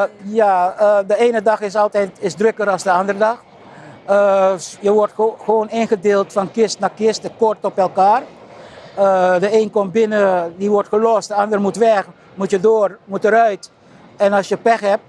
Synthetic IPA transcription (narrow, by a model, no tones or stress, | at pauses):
jadəeːnədɑxɪsɑlˠtɛjtɪsdrøkəɾɑlˠsdəɑndərədɑx | əjəʋɔɹtxəʋoːnɪnχədeːlˠtfɑnkɪstnakɪstəkɔɹtɔpɛlˠkaːr | ədəeːnkɔmbɪnədiʋɔɹtχəlɔstdəɑndərmutʋɛx | mutjədoːrmutəɾœɥt | ɛnɑlsjəpɛxɛp̚t